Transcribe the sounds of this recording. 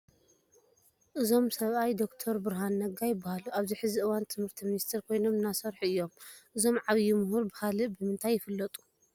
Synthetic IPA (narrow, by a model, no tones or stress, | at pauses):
ʔɨzo̞msɐβʔajd̪o̞kt̪ʰoɾbɨɾɦanːɐɡajɪbːahaluʔaβziħɨziʔɨwant̪ʰɨmhɨɾt̪ʰiminist̪ʰeɾkʰo̞jno̞mɨnasɐɾħuɨjːo̞mʔɨzo̞mʕaβjimuɦuɾbɨhalɨbɨmɨnt̪ʰajːɪfɨlːɐt̪ʼu̥